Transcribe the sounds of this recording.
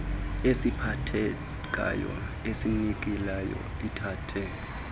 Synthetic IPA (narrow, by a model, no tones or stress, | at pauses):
esipʰatʰɛ | k̬ʼa̰jɔ̰ | esinik̬ʼilajɔ̰itʰaːtʰɛ